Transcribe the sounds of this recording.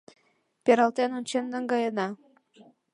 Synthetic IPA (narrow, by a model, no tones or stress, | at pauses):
peɾɑlt̪enonʲt͡ɕenːəŋɡɑjənɑ